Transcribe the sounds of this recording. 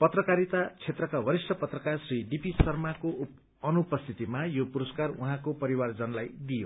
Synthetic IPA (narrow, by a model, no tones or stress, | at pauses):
pʌt̪rʌkaɾit̪at͡sʰet̪rʌkabʱʌɾisʈʌpʌt̪rʌkarsriɖipisʌrmako | ʌnupʌst̪ʰit̪imajopuɾʌskaruɦãkopʌɾiward͡zʌnlajd̪ijo